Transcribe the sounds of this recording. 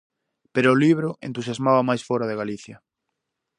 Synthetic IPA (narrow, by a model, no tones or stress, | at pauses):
peɾʊːliβ̞ɾʊʔḛnt̪usjazmaβɐmajsfɔɾaðeɣaliθjɐ